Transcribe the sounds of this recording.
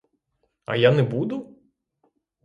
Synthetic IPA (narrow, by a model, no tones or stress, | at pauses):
ɐ̰janɛbud̪ʊ